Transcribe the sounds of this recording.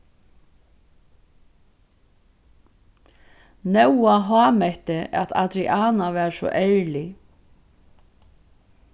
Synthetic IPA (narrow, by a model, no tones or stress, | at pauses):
nɛwaɦaːmɛht̪ɪʔa̰t̪ʰa̰t̪ɾiʔaːnaʋɛːɾsɔ̰ʔɛɹli